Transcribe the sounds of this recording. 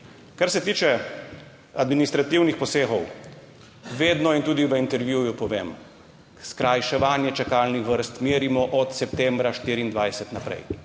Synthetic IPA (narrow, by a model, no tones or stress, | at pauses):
kaɾsɛt̪iːt͡ʃɛ | ad̪minist̪ɾat̪iwnixpɔseːxɔw | ʋeːd̪nɔint̪uːd̪iʋəint̪ɛɾʋjujupɔʋeːm | skɾajʃɛʋaːnjɛt͡ʃɛkaːlnixʋəɾst̪meːɾimɔʔɔt̪sɛpt̪ɛmbɾaʃt̪iːɾiːnd̪ʋajsɛt̪napɾɛ̰j